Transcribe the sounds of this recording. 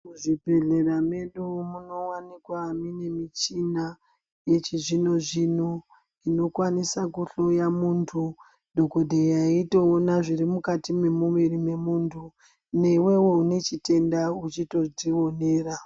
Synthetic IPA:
muʐibʱe̞ɮe̞rameɗumuno̞wanikwaːmine̞mit͡ʃina | jet͡ʃiʐino̞ʐinu | ino̞kwanisakuɬojamuntʰu | dʱo̞ko̞dʱejaito̞ːnaʐirimukatime̞muʋirime̞muːntʰu | ne̞we̞we̞une̞t͡ʃite̞ndaut͡ʃito̞d͡ziwo̞ne̞ːra

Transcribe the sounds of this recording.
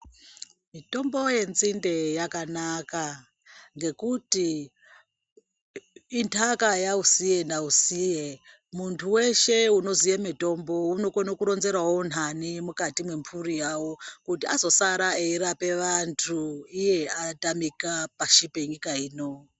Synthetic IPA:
mito̞mbo̞je̞nzinde̞jakanaka | ŋɡe̞kuti | intʰakajausije̞nausije | muntʰuwe̞ʃe̞uno̞zijemito̞mbo̞uno̞kono̞kuɾo̞nze̞ɾwawon̤animukatimwe̞mpʰurijawo̞kutiazo̞saɾaeiɾape̞ʋantʰuije̞atamikapaʃipeɲikaiːno̞

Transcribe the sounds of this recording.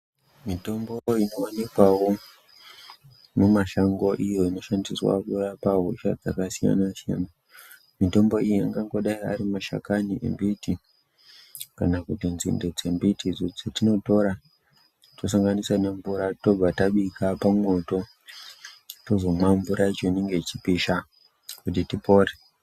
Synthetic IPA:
mito̞mboino̞anikwawo̞ | mumaʃaŋɡo̞ʔijo̞ino̞ʃandiswa̰kurapaɦuʃa̰d͡za̰kasija̰nasia̰na | mito̞mbo̞ijaŋɡaŋɡo̞ɗaia̰ɾimaʃa̰kaniʔḛmbiti | kanakutinzḭnded͡ze̞mbitid͡zod͡zatino̞to̞ɾa | os̬aŋɡaniswane̞ɱvuɾato̞b͡vataɓikapamo̞to̞ | tozo̞maɱvuɾait͡ʃoineŋɡe̞t͡ʃipiʃa | kutitipo̞ːre

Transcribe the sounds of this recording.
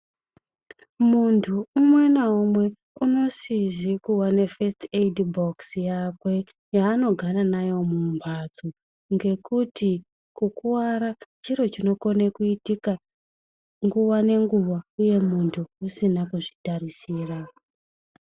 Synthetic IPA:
muntʰuːmwe̞naumwe̞ | uno̞siʐikuwane̞festedboksjakwe̞ | jaːno̞ɡʱaɾanajo̞mumbʱad͡zo | ŋɡe̞kuti | kukuwaɾat͡ʃiɾo̞t͡ʃino̞ko̞nekuitika | ŋɡuʋane̞ŋɡuʋauje̞muntʰuusinakuʐitaɾisiːra

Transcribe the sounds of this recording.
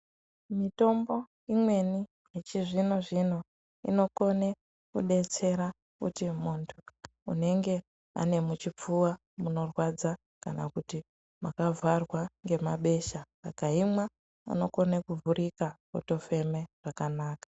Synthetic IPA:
mito̞mbo̞ | imwe̞ni | jet͡ʃiʐinoʐino̞ | ḭno̞ko̞ne | kuɗe̞t͡se̞ɾa | kṵtimuntʰṵː | ne̞ŋɡe̞ | a̰ne̞mut͡ʃip͡fuwa | muno̞rwad͡za | kanakuti | makavʱarwaŋɡe̞maɓe̞ʃasa̰kaɦimwa | ṵno̞ko̞nekuvuɾikakoto̞fe̞me̞ʐ̥akanaːkḁ

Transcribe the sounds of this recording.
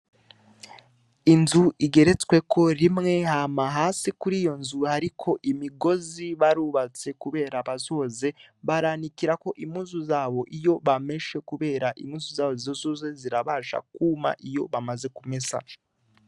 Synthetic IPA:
inzuʔiɡe̞ɾe̞t͡swe̞kʰo̞ɾimŋe̞haːmaɦaːsikuɾiːjo̞nzuhaɾikʰo̞ʔimiɡo̞ziβaɾuːβat͡se̞kuβe̞ːɾaβazo̞ze̞βaɾanikiɾako̞ʔimhuːzuzaːβo̞ʔijo̞βame̞ʃe̞kuβe̞ːɾaʔḭmuːzuzaːβoziozoze̞ziɾaβaʒa̰kuːma̰ʔijo̞βamaze̞kume̞sa̰

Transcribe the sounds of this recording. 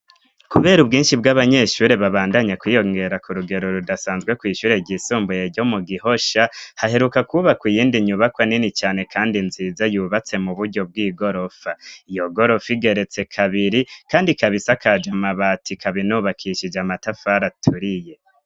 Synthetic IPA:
kuβe̞ːɾubɡiːnʃib̚ɡaβaɲe̞ʃuːɾe̞βaβaːndaɲakwiːjo̞ŋɡe̞ɾakuɾuɡe̞ɾo̞ɾudasaːnzɡwe̞kwiːʃuːɾe̞ɟisuːmbujeɾɟo̞muɡiho̞ʃahahe̞ɾukakuβakujiːndiɲuβakwaninit͡ʃaːne̞kʰaːndinzizajuːβat͡se̞muβuɾɟo̞b̚ɡiːɡo̞ɾo̞faijo̞ɡo̞ɾo̞fiɡe̞ɾe̞t͡se̞kʰaβiɾikaːndikaβisakʰad͡ʒamaβatʰikʰaβinuβakʰiʃid͡ʒamatafaɾatʰuɾije̞

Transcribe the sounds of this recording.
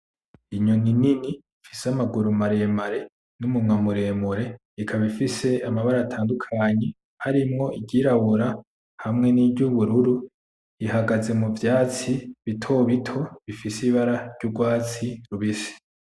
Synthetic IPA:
iɲoninini | fisamaɡuɾumaɾemaɾe̞ | numumŋamuɾe̞ːmuɾe̞ | ikʰaβifise̞ʔamaβaɾaːtʰaːndukʰaɲe̞ | haɾimŋo̞iɟiːɾaβuɾa | hamŋe̞niːbɟuβuɾuɾu | ihaɡaze̞muvjaːt͡siβitʰo̞βitʰo̞βifisiβaɾaɾɟ̥uɡwaːt͡siɾuβisi̥

